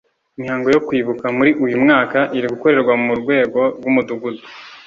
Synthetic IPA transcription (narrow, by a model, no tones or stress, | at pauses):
imhaːŋɡo̞jo̞kwiːβukamuɾiʔujumŋaːkaʔiɾiɡuko̞ɾe̞ɾɡwamumuɾɡwe̞ːɡoɾɡumuduɡudu